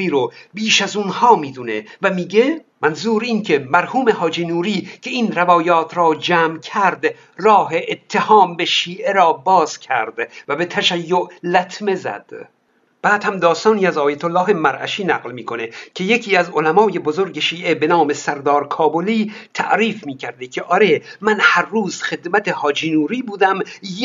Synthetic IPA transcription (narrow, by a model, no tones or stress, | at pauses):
iːɾobiːʃæzunhɒːmiːd̪unevæmiːɡe | mænzuːɾiːncʰe̞mæɾhuːme̞hɒːd͡ʒiːnuːɾiːcʰe̞inɾevɒːjɒːt̪ʰɾɒːd͡ʒæːmkʰæɾd̪ | rɒːɦeʔet̪ʰːe̞hɒːmbe̞ʃiːʔe̞ɾɒːbɒːz̥cʲʰæ̰ɾd̪̥væbe̞t̪ʰæʃæjːoʔlæt̪ʰme̞zæ̰d̪̥ | b̥æːd̪̥hæmd̪ɒːst̪ɒːniːæzɒːjæt̪ʰolːɒːɦe̞mæɾʔæ̰ʃiːnæɣlmiːkʰo̞nekʰe̞je̞cʰiːæzolæmɒːje̞bozoɾɟe̞ʃiːʔe̞benɒːmesæɾd̪ɒːɾkʰɒːboliːt̪ʰæ̰ʔɾiːfmiːcʰæɾd̪ekʲʰe̞ʔɒɾe̞mænhæɾːuːzxe̞d̪mæt̪ehɒːd͡ʒinuːɾiːbuːd̪æm